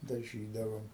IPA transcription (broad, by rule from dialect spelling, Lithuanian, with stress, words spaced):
dɐˈʒʲiːdɐʋoːm